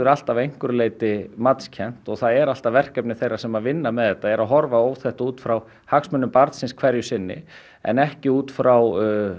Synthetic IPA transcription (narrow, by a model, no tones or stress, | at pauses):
ʏɾal̥t̪avejŋ̥kʏɾleːjt̪ɪmat̪scʰɛn̥t̪ɔɣθaðɛɾal̥t̪avɛr̥cɛpnɪθejrːasɛmaðvɪnːamɛðhɛt̪ːaɛɾaðɦɔɾvaoːwθɛht̪auːt̪fɾaw | haksmʏnːʏmpaɾt̪sɪnskʰvɛɾjʏsɪnːɪ̰ | ɛ̰nɛhcɪuːt̪fɾʔaw